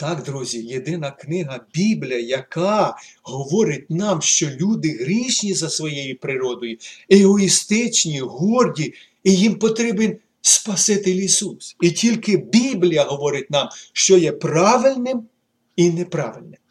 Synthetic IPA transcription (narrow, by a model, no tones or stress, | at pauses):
t̪ɑkd̪ɾuzʲijed̪ɪnɐknɪɦɐbʲiblʲijɐjɐkɑɦɔʋɔɾɪtʲnɑmʃt͡ʃɔlʲud̪ɪɦɾʲiʃnʲizɐsʋɔjejipɾɪɾɔd̪ɔjʊeɦɔist̪ɪt͡ʃnʲiɦurdʲi | ijimpɔt̪ɾʲibenʲ | spɐsɪt̪ɪlʲisusʲitʲilʲkɪbʲiblʲijɐɦɔʋɔɾɪtʲnɑmʃt͡ʃɔjɛprɑʋɪlʲnɪm | inɛpɾɑ̰ʋɪlʲnɪm